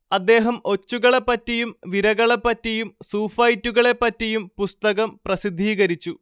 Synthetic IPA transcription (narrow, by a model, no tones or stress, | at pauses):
ɐd̪ːe̞ːɦɐmo̞t͡ɕːuɣɐɭe̞pːɐtːijumʋiɾɐɣɐɭe̞pːɐtːijumsuːfɐjtːuɣɐɭe̞pːɐtːijumpust̪ɐɣɐmprɐsid̪ʱːiːɣɐɾit͡ɕːu